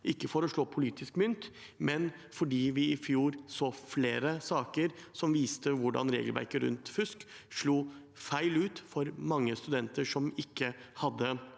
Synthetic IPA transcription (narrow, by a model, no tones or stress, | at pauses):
ʔɪkːəfɔɾɔʂɭoːpʰʊliːt̪ʰɪskmʏnt̪ | mɛnfɔɖiːʋɪɪfjuːɾsoːfleːɾəsɑːkəɾsɔmʋiːst̪əʋʊɖɑ̰nɾḛːɡəlʋæ̰ɾkəɾʉ̰nt̪fʉskʂɭuː | fæɪlʉːt̪fɔɾmɑŋːəst̪ʉd̪ɛnt̪əʂɔmɪkːəhɑd̪ːə